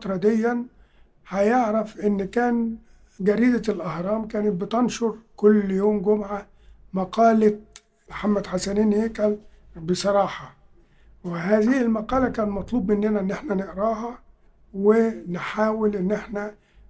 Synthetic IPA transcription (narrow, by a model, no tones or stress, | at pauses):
t̪ɾˤɑd̪ɪjːæn | ħæjeʕɾæfʔɪnːkæːn | ɡæɾiːd̪alʔɑhɾˤɑːmkæːnɪt̪̚bɪt̪ɑnʃʊɾˤkʊlːjoːmɡʊmʕa | mɑqɑːla | mħamːæd̪ħasæniːnhekælbɪsˤɑɾˤɑːħɑ | wɪhæːzɪhɪlmɑqɑːlækæːnmɑt̪ˤlˠuːbːʔɪnːɪnæɪnːʔeħnænɪʔɾɑːɦɑ | wɪnħaːwɪlʔɪnːʔɪħnæ